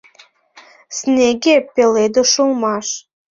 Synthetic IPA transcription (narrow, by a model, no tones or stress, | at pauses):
snʲeɣepeled̪oʃulˠmɑʃ